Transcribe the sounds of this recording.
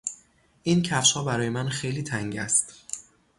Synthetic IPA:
ʔincʰæfʃhɒːbæɾɒːjemænxejliːt̪ʰæŋɟæ̰st̪

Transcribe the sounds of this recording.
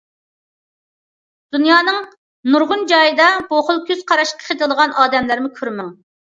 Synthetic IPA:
d̪̥unjɑːnɨŋ | nuɾʁʊnd͡ʒɑjɨd̪ɑboχʊlˠkʲyz̥qʰɑɾɑʃqʰə̥χʰet̪ɨlˠəʁɑnʔɑːd̪ɛmlæɾmɪkʲʰøɾmɛŋ

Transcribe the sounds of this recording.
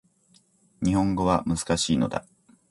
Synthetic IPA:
ɲ̟ihõ̞ŋɡo̞βamɯzɨ̥kaɕiːno̞d̪a̰

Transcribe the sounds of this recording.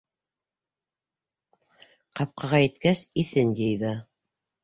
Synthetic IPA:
qɑp̚qɑʁɑjɘ̆t̪kæsiθɘnd̪ʲejðɑ

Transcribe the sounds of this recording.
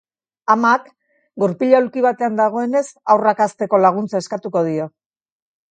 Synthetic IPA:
amak | ɡuɾpiʎawlkiβ̞at̪e̞and̪aɣ̞o̞e̞ne̞sawrakast̪e̞ko̞laɣ̞unt͡sae̞skat̪uko̞ð̞io̞

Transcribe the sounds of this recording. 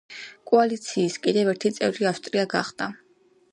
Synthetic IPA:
kʼualit̪sʰiːskʼid̪ɛvɛɾt̪ʰit̪sʼɛvɾiafʃt̪ʼɾiaɡa̰χd̪a

